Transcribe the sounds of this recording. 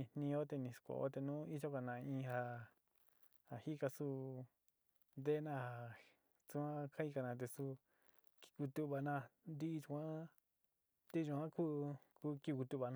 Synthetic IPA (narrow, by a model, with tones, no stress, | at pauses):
ĩ˧˨nĩ˧o˦t̪̬e˧nĩ˧˨skʷo̰˨o̰˦t̪e˧nũː˦i˦ʒo˦ka˧˨nã˧ĩ˦˧ha˧ | ha˨hi˦ka˧su˦ | nd̪e˦˧nã˦˧ha˨ | t͡su˧ã˦kʰa˦i˧ka˧nã˧t̪̬e˧su˦ | ki̥˧ku˧t̪u˧βa˧nã˧nd̪i˦˧t͡ʃu˧kʷã˦ | t̪e˧ʒu˧˨ã˦ku˦ku˧ki˧ku˧t̪u˧˨βa˨˧nã˦˧